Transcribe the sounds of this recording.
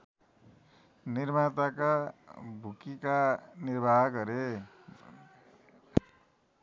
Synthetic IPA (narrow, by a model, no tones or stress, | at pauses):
nirmat̪akabʱukikanirbʱaɦɡʌɾe